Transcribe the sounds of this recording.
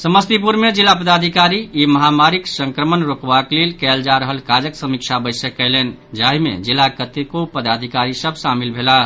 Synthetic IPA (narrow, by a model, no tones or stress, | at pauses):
səməst̪ip̬uɾmed͡ʒilapəd̪ad̪ʱikaɾiiməɦamaɾiksəŋkɾəmənɾokbaklelkɛld͡ʒaɾəɦəlkad͡ʒəksəmikt͡ʃʰabəjsəkːɛlɛnd͡ʒaɦimḛd͡ʒilakət̪ekopəd̪ad̪ʱikaɾisəbʱsamilbʱela